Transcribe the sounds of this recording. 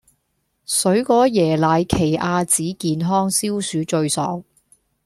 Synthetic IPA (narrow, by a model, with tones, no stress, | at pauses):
sɵ˨˥ɥkɔː˨˥jɛː˨˩laː˨˧jkʰe˨˩jʔaː˧t͡siː˨˥kiː˧nɦɔː˥ŋsiː˥wsyː˨˥t͡ʃɵ˧ɥsɔ̰ː˨˥ŋ